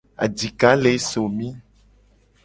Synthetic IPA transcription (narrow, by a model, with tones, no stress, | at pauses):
a̰˨d͡ʒi˨ka˨˦le˨˦so˨mĩ˦